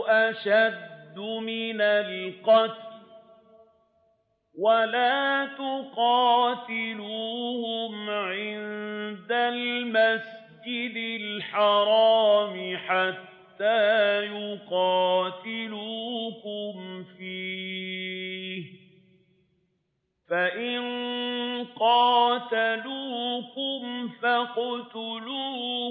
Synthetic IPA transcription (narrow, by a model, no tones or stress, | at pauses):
ʔaʃad̪ːʊmɪnalqɑt̪ll | walaːt̪ʊqɑːt̪ɪluːhʊmʕɪnd̪almasd͡ʒɪd̪ɪlħɑɾˤɑːmɪħat̪ːaːjʊqɑːt̪ɪluːkʊmfiː | h | faʔɪn | qɑːt̪aluːkʊmfaqʊt̪ʊluː